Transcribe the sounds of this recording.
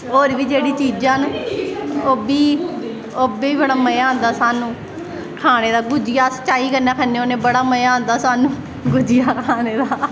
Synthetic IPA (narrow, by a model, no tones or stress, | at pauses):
ɦoːɾʋiːd͡ʒeːɽiːt͡ʃiːd͡ʒãːn | oːbiː | oːbeːiːbəɽaːməjãːɦnd̪aːsaːnũː | kʰaːneːd̪aːɡʊd͡ʒɪjaːsə̥t͡ʃaːiːkəɾnaːkʰənːeːoːnẽːbəɽaːməjaːɦõnd̪aːsaːnũː | ɡʊd͡ʒɪjaːkʰaːneːd̪aː